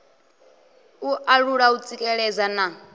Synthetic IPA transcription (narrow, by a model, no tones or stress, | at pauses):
uʔaɺuɺaut͡sʼikʼɛɺɛd͡zana